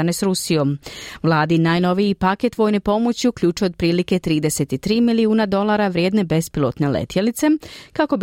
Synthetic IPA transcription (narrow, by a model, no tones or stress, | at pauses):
anesɾusijo̞mʋlˠaːd̪inaːjno̞ʋijipake̞t̪ʋo̞ːjnepo̞mot͡ɕiukʎʲuːt͡ʃjod̪̚pɾiːlike̞t̪ɾiːd̪e̞se̞t̪it̪ɾiːmiliuːnad̪o̞lˠaːɾaʋɾjeːd̪ne̞be̞spilˠo̞t̪ne̞lḛt̪jelit̪se̞kako̞b